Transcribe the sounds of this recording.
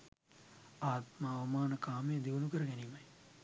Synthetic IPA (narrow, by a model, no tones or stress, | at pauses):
aːt̪maɐʋɐmaːnəkaːmejəd̪iʋənukəɾəɡɛniːmɐj